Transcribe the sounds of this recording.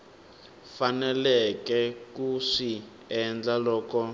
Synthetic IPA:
fanɛlɛkɛkuʂi | ɛnd͡ɮalɔːkɔ

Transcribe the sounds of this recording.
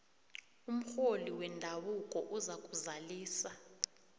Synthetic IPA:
um̩xoliwɛndʱaɓukʼɔʔuzakʼuzaliːsa

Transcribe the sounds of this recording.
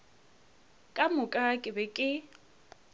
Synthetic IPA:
kʼamʊkʼakʼɪbɛkʼɪ

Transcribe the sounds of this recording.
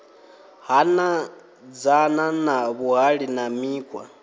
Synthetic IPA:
hana | d͡zananaβuɦaɺinamiːkʰʼwa̰

